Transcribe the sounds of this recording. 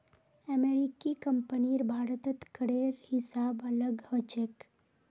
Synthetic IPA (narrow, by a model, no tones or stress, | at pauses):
ɛmeɾikikəmpəniɾbʱaːɾət̪ət̪kəɽeɾhɪsaːbələɡhot͡ʃek